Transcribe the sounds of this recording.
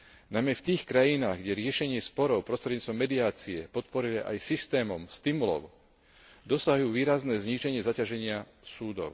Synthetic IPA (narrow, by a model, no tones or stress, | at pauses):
najmɛft̪iːxkɾajinaːɣɡɟɛɾɪɛʃɛɲɪɛspɔɾɔʊpɾɔst̪ɾɛd̪ɲiːt͡st̪ʋɔmːɛd̪iaːt͡siɛpɔt̪̚pɔɾiliʔa̰jsist̪ɛːmɔmst̪imulɔ̰ʊ | d̪ɔsaɦjuːʋiːɾaznɛːzɲiʒɛɲɪɛzacaʒɛɲɪa | suːd̪ɔ̰ʊ